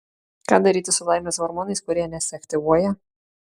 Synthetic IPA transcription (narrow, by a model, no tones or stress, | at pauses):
kɑːd̪ɐɾʲiːt̪ʲɪsʊlˠaˑɪmʲɛsʋɔɾmɔːnɐɪskʊɾʲiɛnʲɛsʲɛɐkt̪ʲɪʋuɔjɛ